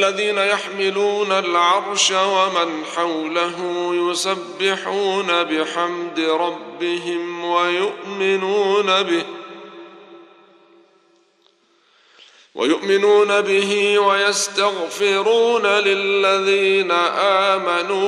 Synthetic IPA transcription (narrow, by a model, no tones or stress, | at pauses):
lːaðiːnajaħmɪluːnalʕɑɾˤʃawamɪnħawlaɦʊmjʊsabːɪħuːnabɪħamd̪ɪɾˤɑbːɪɦɪmwajʊʔmɪnuːnabɪ | wʔa̰jʊʔmɪnuːnabɪɦɪwajast̪aɣfɪɾuːnalɪlːaðiːnaʔaːmanuː